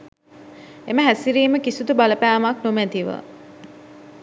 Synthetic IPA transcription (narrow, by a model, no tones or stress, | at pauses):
eməɦæsiɾiːməkisut̪ubaləpæːmaknumæt̪iʋə̰